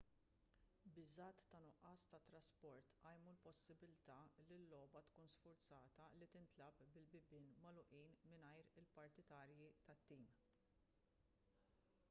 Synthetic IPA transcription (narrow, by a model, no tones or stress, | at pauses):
bɪzɐːt̪ːɐnʊʔɐːst̪ɐt̪ːɾɐspɔɾt̪ʔɐjmulpɔsːɪbɪlt̪ɐlɪlːɔːbɐt̪kuːnsfʊɾt͡sɐːt̪ɐlit̪ɪnt̪lɐpbɪlbɪbɪːnmɐlʊʔiːnmɪnɐjɾɪlpɐɾt̪ɪt̪ɐːɾjit̪ɐt̪ːiːm